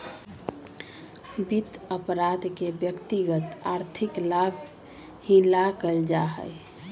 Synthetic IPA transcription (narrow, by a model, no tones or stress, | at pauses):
bit̪əpɾad̪kebjəkt̪iɡət̪aɾt̪ʰiklab | hĩlakəld͡ʒaɦə̰j